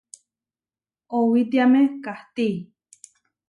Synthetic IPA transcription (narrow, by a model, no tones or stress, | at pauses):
owit̪iamekaht̪i